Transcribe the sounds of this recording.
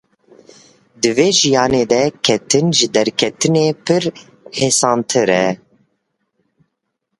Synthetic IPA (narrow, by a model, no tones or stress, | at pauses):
d̪ɨveːʒijɑːneːd̪ɛkʰɛt̪ʰɨnʒɨd̪ɛɾkʰɛt̪ɨneːpʰɨɾ | heːsɑːnt̪ʰɨɾɛ